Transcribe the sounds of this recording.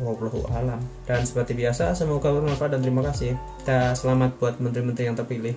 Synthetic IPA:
lauloɦṵʔalamd̥ansə̥pərt̪ibiasasəmuuɡabarməapadant̪əɾimakasɪh | i̥t̪asəlamat̪̚b̥uat̪̚mənt̪ɾimənt̪ɾijaŋt̪ərpilɪh

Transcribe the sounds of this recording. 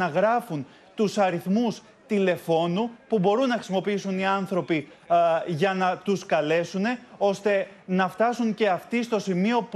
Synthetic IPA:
ɐɣɾɐfun | t̪usɐɾiθmus | t̪ile̞fo̞nupubo̞ɾunːɐxɾi̥simo̞piisuniɐnθɾo̞pi | ʝɐnɐt̪uskɐle̞sune̞o̞st̪e̞ | nɐft̪ɐsuɲce̞ɐft̪ist̪o̞simio̞p

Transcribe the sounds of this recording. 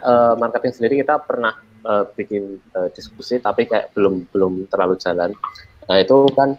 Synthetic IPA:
ʔəmarkat̪jaŋsəndiɾikit̪apərnah | ʔəːb̥ikɪnəːd̪̥isk̚usit̪apikaja̰ʔb̥əlʊmb̥əlʊmt̪ərlalud͡ʒ̥a̤lan | əit̪ukan

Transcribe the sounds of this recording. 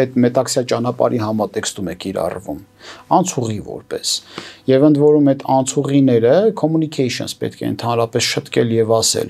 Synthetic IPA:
ɛt̪mɛt̪ɑksjɑt͡ʃɑnɑpɑ̰ɾiɦɑmɑt̪ɛkst̪umɛkʰiɾɑ̰rvum | ɑnt͡sʰuʁivɔ̰ɾpɛsjɛvənd̪vɔɾumɛt̪ʰɑnt͡sʰuʁinɛɾəkʰɔmunikʰɛjʃə̰nspɛ̰t̪̚kʰɛ̰ə̰nt̪ʰɑnɾɑpɛsʃət̪ʰkɛljɛvɑsɛ̰l

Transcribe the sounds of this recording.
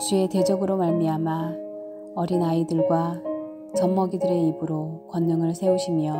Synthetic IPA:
t͡ɕue̞te̞d͡ʑʌɡɯɾomaɭmiama | ʌɾinaidɯɭɡwa | t͡ɕʌmːʌɡidɯɾe̞ibɯɾokwʌnːʌŋɯɭsʰe̞uɕʰimjʌ

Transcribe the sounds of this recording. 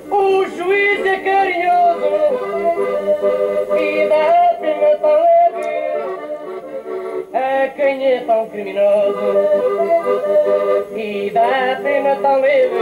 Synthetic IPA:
uʒuizɛkɐɾiɲozu | iðɐapinɐt̪ɐ̃w̃lepi | ɐkɐ̃j̃ɛt̪ɐ̃w̃kɾiminozu | iðɐapinɐt̪ɐ̃le

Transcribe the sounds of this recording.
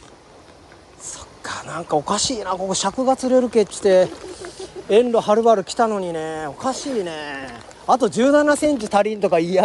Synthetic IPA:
so̥kʰːḁnãŋkao̞kaɕiːnaːko̞koɕakɯ̟ɡat͡sɨɾe̞ɾɯ̟ke̞t͡ɕi̥t̪e̞ | ẽnɾo̞haɾɯ̟baɾɯ̟kʲi̥t̪ano̞ɲ̟ine̞o̞kaɕiːne̞ | at̪o̞d͡ʑɨːnanasẽ̞ɲ̟t͡ɕit̪aɾʲĩnt̪o̞kaia

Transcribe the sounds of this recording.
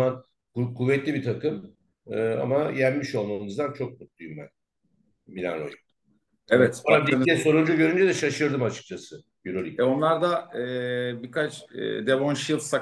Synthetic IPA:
an | kkʰuvːɛt̪lʲibit̪ʰakɯm | ɯa̰majænʲmiʃo̞lˠmamɯnɯzd̪ant͡ʃʰo̞k̚mut̪̚lˠujumbæ̰n | bilʲa̰no̰ju | ɛvɛt̪ad̪ienɛso̞ɾund͡ʒuɟø̞ɾynd͡ʒɛd̪ɛʃaʃɯɾd̪ɯmat͡ʃʰɯ̥k̚t͡ʃʰasɯ | jyɾolʲicɛonlˠaɾd̪aɯbikat͡ʃːd̪eβonʃilˠsa

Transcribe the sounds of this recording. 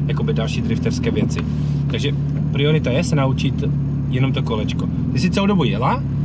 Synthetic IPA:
jako̞bɪdalʃiːd̪ɾɪft̪ɛrskɛːvjɛt͡sɪ | t̪aɡʒɛ | pɾɪo̞ɾɪt̪ajɛsɛnaut͡ʃɪt̪ | jɛnomt̪o̞kolɛt͡ʃko | t̪ɪsɪt͡sɛlowdobujɛla

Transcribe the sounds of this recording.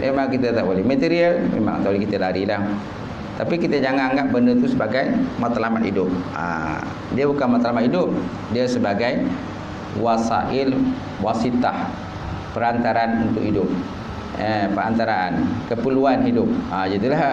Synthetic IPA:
mʔemaŋkit̪at̪aʔbolɛhmət̪iɾialmḛma̰ŋt̪alikit̪alaɾila | t̪apikit̪ad͡ʒaŋanaŋɡaʔ̚bəndət̪usəbaɡajmat̪alamat̪hidʊp̚a̰ | diabukanmat̪alamat̪idʊp̚ | diasəbaɡaj | wasa̰ʔɪl | wasit̪ah | pəɾant̪aɾanunt̪ʊkidʊp̚ | əpəɾant̪aɾaʔa̰nkəpəluanɦidʊp̚ad͡ʒat̪ulah

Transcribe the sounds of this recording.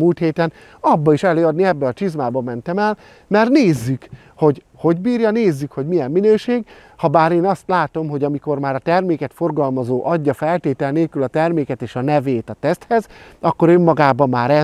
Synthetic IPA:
mult̪heːt̪ɛn | ɒbːɒiʃɛløːɒd̪niɛbːɛɒt͡ʃizmaːbɒmɛnt̪ɛmɛl | mɛrneːzːyk | ho̞ɟ | ho̞ɟbiːrjɒneːzːykho̞ɟmijɛmːinøːʃeːɡ | hɒbaːɾeːnɒst̪laːt̪o̞mɦo̞ɟɒmiko̞rmaːɾɒt̪ɛrmeːkɛt̪fo̞rɡɒlmɒzoːʔɒɟːɒfɛlt̪eːt̪ɛlneːlkylɒt̪ɛrmeːkɛt̪eːʃɒnɛveːt̪ɒt̪ɛst̪hɛzɒkːo̞ɾømːɒɡaːbɒmːaːɾɛ

